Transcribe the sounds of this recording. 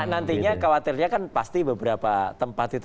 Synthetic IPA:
nant̪iɲakawat̪ɪrɲakanpa̰st̪ibəbəɾapat̪əmpat̪it̪

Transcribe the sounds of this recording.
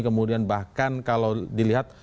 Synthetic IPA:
kəmudianbahkankalawdiliɦat̪̚

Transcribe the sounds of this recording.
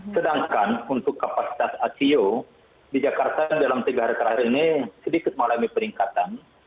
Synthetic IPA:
sədaŋkanunt̪ʊkːapasi̥t̪asasio | did͡ʒakart̪adalamt̪əɡahɾəkəɾaɾinisədikɪt̪̚məŋalamipəɾiŋkat̪an

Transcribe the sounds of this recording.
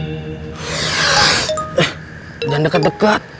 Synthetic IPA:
d͡ʒandəkat̪̚dəkat̪̚

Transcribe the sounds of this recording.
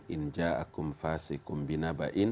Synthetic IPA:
ʔind͡ʒaːʔa̰kɔmfaːsɛkɔmbinaba̰ʔin

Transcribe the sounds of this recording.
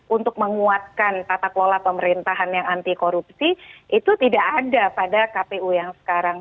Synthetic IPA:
ʔunt̪ʊk̚məŋuat̪̚kant̪at̪aklolahpəməɾint̪aɦanjaŋant̪ikoɾup̚siʔit̪ut̪idaʔadapadakapeujaŋsə̥kaɾaŋ

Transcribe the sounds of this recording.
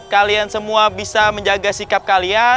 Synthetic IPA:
kaliansəmuabisaməɲd͡ʒaɡasikap̚kalia

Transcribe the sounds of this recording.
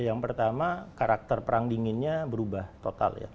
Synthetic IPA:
jaŋpərt̪amakaɾak̚t̪ərpəɾaŋdiŋɪnɲabəɾubaht̪ot̪a̰lja̰

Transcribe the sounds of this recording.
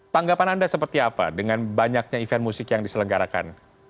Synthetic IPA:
t̪aŋɡapanandasəpərt̪iapa̰dəŋanbaɲak̚ɲaifanmusɪkjaŋdisələŋɡaɾaka̰n

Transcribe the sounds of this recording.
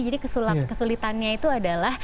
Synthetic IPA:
d͡ʒadikəsulakəsulit̪anɲait̪uadalah

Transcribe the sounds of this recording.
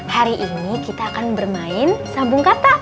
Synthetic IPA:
haɾiʔinikit̪aːkanbərmaɪnsambʊŋkat̪a

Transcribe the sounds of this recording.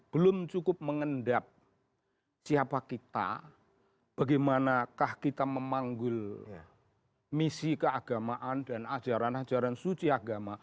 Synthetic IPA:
b̥əlʊmt͡ʃukʊp̚məŋəndap̚ | siapakit̪a̰ | b̥aɡamanakahkit̪aməmaŋɡʊl | misikəaɡ̥amaʔandanḁd͡ʒaɾanad͡ʒaɾansut͡ʃiaɡama

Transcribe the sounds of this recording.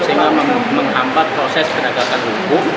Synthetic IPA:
saimaməŋɦampat̪̚pɾosɛskənəɡakandukʊ

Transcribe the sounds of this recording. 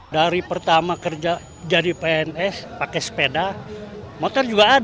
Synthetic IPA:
daɾipərt̪amakərd͡ʒa | d͡ʒadipeɛnɛspakɛspeda | mɔt̪ɔrd͡ʒuɡaːd

